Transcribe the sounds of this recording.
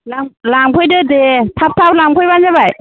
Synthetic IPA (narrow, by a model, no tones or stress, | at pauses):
laŋlaŋpʰɯjdɯdetʰap̚tʰaplaŋpʰɔjbanzabaj